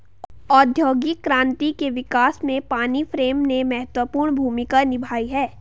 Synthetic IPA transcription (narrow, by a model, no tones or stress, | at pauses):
ɔːd̪ʱjoːɡikɾãːnt̪ikeʋɪkaːsmẽpaːnifɾeːmnemɛɦət̪wəpuːɾɳbʱuːmɪkanɪbʱaːiɦɛː